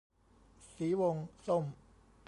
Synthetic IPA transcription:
siː˩˦wo˧ŋso˥˩m

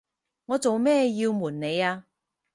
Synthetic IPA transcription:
ŋɔː˨˧t͡so˨wmɛː˥˧ji˧wmuː˨˩nːe˨˧jaː˧

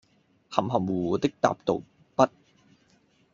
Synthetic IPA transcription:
hɐ˨˩mɦɐ˨˩mwuː˨uː˨˧˦t̪ɪ˥k̚t̪a̰ː˨p̚t̪o̰˨w | pɐ˥t̚

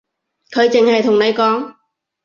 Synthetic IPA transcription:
kʰɵ˨˧ɥt͡sɪ˨˩ŋhɐ˨jt̪ʰʊ˨˩ŋnɐ˨˧jkɔː˨˥ŋ

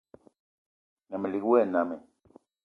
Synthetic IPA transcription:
na˨mɛ˨li˨kwɛ˦˨na˨mɛ˨

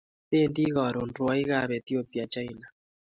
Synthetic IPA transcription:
te˦ndi˦ɣɔ˨ɾʊ˨ndwa˦i˦ɣa˦βɛ˨t̪i˦o˦pi˨a˨t͡ʃa˦jna˨

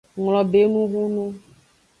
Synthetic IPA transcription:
ŋlɔ˨be˦nũ˦ɣu˦nũ˦

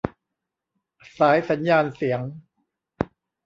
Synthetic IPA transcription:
saː˩˦jsa˩˦njaː˧nsi˩˦əŋ

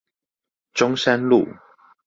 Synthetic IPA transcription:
ʈ͡ʂʊ˥ŋsa˥˦nlṵ˥˨

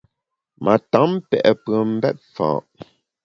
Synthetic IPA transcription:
mʔa˨ta˨˦mpɛ˨ʔɛ˨pə˨m̩˦bɛ˦t̚fã̰ː˨ʔ

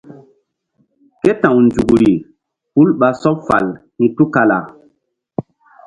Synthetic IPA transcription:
ke˦tã˨wnd͡ʒu˨ɡɾi˨ | hu˦lɓa˨sɔ˦pfa̰˨l | ni˨tu˦ka˨la̰˨

